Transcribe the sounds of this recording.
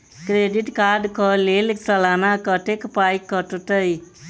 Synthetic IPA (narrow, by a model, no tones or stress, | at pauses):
kɾeɖiʈkaɖkʌlelsʌlanakʌʈekpajkːʌʈuʈ̪ʌj